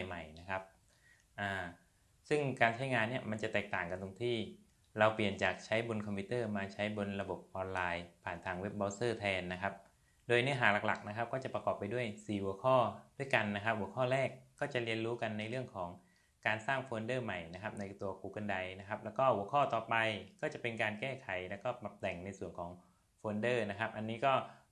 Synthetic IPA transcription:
a˨jma˨˩jna˦˥kʰa˦˥p̚ | ʔaː˧˩ | sɯ˥˩ŋkaː˧nt͡ɕʰa˦˥jŋaː˧nːi˥˩əma˧nt͡ɕa˨˩t̪ɛː˨˩k̚t̪aː˨˩ŋka˧nt̪o˧ŋt̪ʰiː˥˩ | ɾa˧wpli˨˩ənt͡ɕaː˨˩k̚t͡ɕʰa˦˥jbo˧nkʰɔ˧mpʰiː˦˥t̪ɤː˥˩maː˧t͡ɕʰa˦˥jbo˧nɾa˧bo˨˩p̚ʔɔː˧nlaː˧jpʰaː˨˩nt̪ʰaː˧ŋwe˦˥p̚bɔː˦˥sɤː˥˩t̪ʰɛː˧nːa˦˥kʰa˦˥p̚ | doː˧jnɯ˦˥ɐɦaː˩˦la˨˩kla̰˨˩k̚na˦˥kʰa˦˥p̚kɔː˥˩t͡ɕa˨˩pɾa˧kɔː˨˩pːa˧jdu˥˩əjsiː˨˩hu˨˩˦əkʰɔː˥˩du˥˩əjka˧nːa˦˥kʰa˦˥p̚hu˩˦əkʰɔː˥˩ɾɛː˥˩kːɔː˥˩t͡ɕa˨˩li˧ənɾuː˦˥ka˧nːa˧jɾɯ˥˩əŋkʰɔː˩˦ŋ | kaː˧nsaː˥˩ŋfoː˧ndɤː˥˩ma˨˩jna˦˥kʰa˦˥p̚na˧jt̪u˧ɐkuː˧kɤ˧nda˧jna˦˥kʰa˦˥p̚lɛː˦˥wkɔː˥˩hu˩˦əkʰɔː˥˩t̪ɔː˨˩pa˧jkɔː˥˩t͡ɕa˨˩pe˧nkaː˧nkɛː˥˩kʰa˨˩˦jlɛː˦˥wkɔː˥˩pa˨˩p̚t̪ɛ˨˩ŋna˧jsu˨˩ənkʰɔː˩˦ŋ | foː˧ndɤː˥˩na˦˥kʰa˦˥p̚ʔa˧nːiː˦˥kɔː˥˩

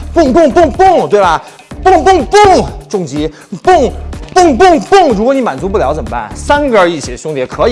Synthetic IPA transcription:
pʊ˥˩ŋpʊ˥˧ŋp̬ʊ˥˧ŋpʊ˥˩ŋt̪we˥˩ɪbɐ˨˩ | pʊ˥˧ŋpʊ˥˧ŋpʊ˥˩ŋʈ͡ʂʊ˥˩ŋt͡ɕi˧˥ | pʊ˥˩ŋpʊ˥˩˧ŋp̬ʊ˥˩˧ŋpʊ˥˩ŋɻu˧˥kwni˧˥ma̰˨˩nt͡su˧˥p̬u˥˩ljɑ˧˥ʊt͡swə˨˩pa̰˥˩nsa˥n˧ɡə˞˥˧˥i˥˩ɕjɛ˧˥ɕʊ˥ŋt̪jɛ˧˥kʰɤ˧˥i˨˦

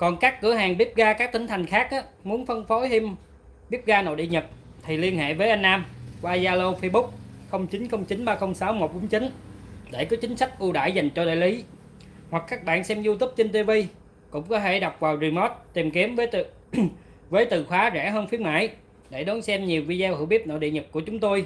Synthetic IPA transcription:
kɔ˨˩nkaː˦˥kːɨ˧˩əɦaː˨˩ŋɓi˦˥əp̚ɣaː˧kaː˦˥k̚t̪ï˨˦ŋ̟t̪ʰa˨˩jŋ̟xaː˦˥k̚ʔaː˨˦ | mu˨˦ənfə˧nfo˨˦hi˧m | ɓi˦˥əp̚ɣaː˧no̰˧˨ɗḭ˧˨ɲə˨˩t̚ | t̪ʰi˨˩li˧ənhḛ˧˨vəː˨˦ʔa˧ŋ̟ːaː˧mkwaː˧zaː˧lo˧fə˧jɓʊ˦˥k͡p̚xə˧wŋ͡mt͡ɕï˨˦nxə˧wŋ͡mt͡ɕi˨˦nɓaː˧xə˧wŋ͡msaː˨˦wmo˨˩t̚ɓʊ˨˦ŋ͡mt͡ɕï˨˦nɗe˧˩kɔ˨˦t͡ɕï˨˦ŋ̟sa˦˥k̚ʔu˧ɗa̰ː˧˩jza˨˩jŋ̟t͡ɕɔ˧ɗa̰ː˧˨jli˨˦ | hwa˨˩k̚ːaː˦˥k̚ɓa̰ː˧˨nsɛ˧mzu˧t̪ʊ˦˥p̚t͡ɕe˧nt̪i˧vi˧ | kʊ̰˧˥ŋ͡mkɔ˨˦t̪ʰe˧˩ɗa˨˩wk͡p̚vaː˨˩wzi˨˩mɔ˦˥t̚t̪i˨˩mki˨˦əmvəː˨˦j | vəː˨˦jt̪ɨ˨˩xwaː˨˦zɛ̰˧˥ɦəː˧nfi˧˦ənma̰ː˧˨j | ɗe˧˩ɗɔ˨˦nsɛ˧mɲi˨˩əwvi˧zɛ˧whɨ̰˧˩˦wɓi˦˥əp̚no̰˧˨ɗḭ˧˨ɲə˨˩k̚kːu˧˩ət͡ɕʊ˨˦ŋ͡mt̪o˧j

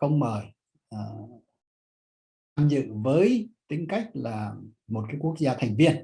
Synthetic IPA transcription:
xə˧wŋ͡mməː˨˩j | ʔəː˨˩ | t̪ʰaː˧mzɨ̰˧˨vəː˨˦jt̪ï˨˦ŋ̟ka˦˥jk̚laː˨˩mo˨˩t̚kaː˨˦jku˦˥ək̚zaː˧t̪ʰa˨˩jŋ̟vi˧ən

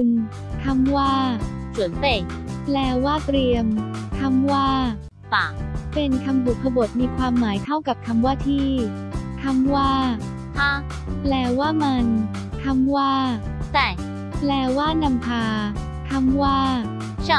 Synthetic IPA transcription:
n | t̪ʰa˧˥˩mwaː˥˩su˨˩˦nfe˨˩k̚plɛː˧waː˥˩t̪ɾi˧əmk̪ʰa˧˥˩mwaː˥˩ | fa˨˩pe˧nkʰa˧mbu˨˩kʰːa˧bo˨˩t̪̚miː˧kʰwaː˧mːaː˩˦jt̪ʰa˥˩wka˨˩p̚k̪ʰa˧mwaː˥˩t̪ʰiː˥˩ | t̪ʰa˧˥˩mwaː˥˩ | pʰa˦˥ | plɛː˧waː˥˩ma˧n | t̪ʰa˧˥˩mwaː˥˩ | t͡ɕa˥˩ | plɛː˧˩waː˥˩na˧mpʰaː˧ | k̪ʰa˥˩mwaː˥˩˥

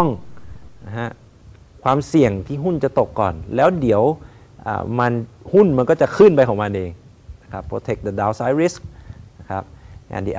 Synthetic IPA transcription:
ŋn˧ɦa˦˥ʔ | kʰwaː˧msi˨˩əŋt̪ʰiː˧˥˩ɦu˥˩nt͡ɕa˨˩t̪o˨˩kːɔː˨˩nlɛː˦˥wdi˨˩˦əw | ʔa̰ː˨˩ma˧nhu˥˩nma˧nkɔː˥˩t͡ɕa˨˩kʰɯː˧˥˩npa˧jkʰɔ˨˩˦ŋma˧nʔeː˧ŋ | na˦˧kʰa˦˥pʰːoː˧˦t̪ʰe˧˦˩k̚da˨˧˩daː˧wsaː˦˥jɾi˦˥sk̚na˧˩kʰa˦˥p̚a̰ː˨˩nt̪ḭː˧ʔ

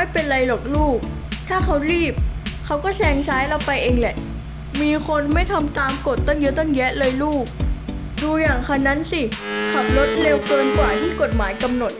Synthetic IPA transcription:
a˥˩jpe˧nla˧jlɔː˨˩k̚luː˥˩k̚ | t̪ʰaː˥˩kʰa˦˥wɾiː˥˩p̚kʰa˦˥wkɔː˥˩sʰɛː˧ŋt͡ɕʰaː˦˥jla˧˩wpa˧jʔeː˧ŋlɛ˨˩ʔ | miː˧kʰo˧nma˥˩jt̪ʰa˧mt̪aː˧mko˨˩t̪̚ːɔ˥˩ŋjɤ˦˥t̪ɔ˥˩ŋjɛ˦˥ʔlɤː˧jluː˥˩k̚ | duː˧jaː˨˩ŋkʰa˧˩na˦˥nsi˧˩kʰa˨˩p̚lo˦˥t̪̚le˧wkɤː˧nkwaː˨˩t̪ʰiː˥˩ko˨˩t̪̚maː˩˦jka˧mno˨˩t̪̚

